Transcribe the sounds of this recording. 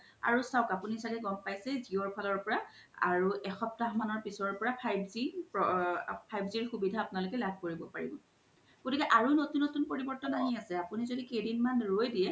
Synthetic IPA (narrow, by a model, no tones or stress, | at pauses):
a̰ɹusaʊkapunisakɛɡɔmpajsɛziɔɹpʰalɔɹpɔɹa | a̰ɹuʔɛxɔp̚taɦmanɔɹpisɔɹpɔɹapʰajbzipɔpʰajbziɹxubidʱaːpʊnalʊkɛlab̚ʱkoɹibɔpaɹḭbɔ̰ | ɡ̥otikɛʔaɹunotunːotunpoɹibɔɹtɔnaɦiasɛapunizodikejdinmanɹojdijɛ